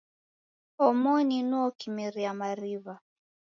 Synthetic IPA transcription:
ɔmɔninuɔkimiɾiamaɾiβa

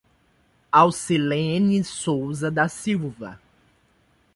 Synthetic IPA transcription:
awsilẽnisowzɐd̪ɐsiwvɐ̰

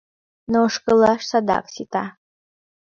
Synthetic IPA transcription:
noʂkəlaʂsad̪a̰ksit̪a

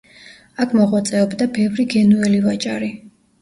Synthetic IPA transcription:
akʰmɔʁwat̪sʼɛɔbd̪abɛvɾiɡɛnuɛlivat͡ʃʼaɾi

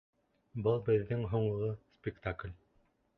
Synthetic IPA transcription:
bɤlˠbɘ̆ðːɘŋɦŏɴlˠɤspʲɪkt̪aklʲ

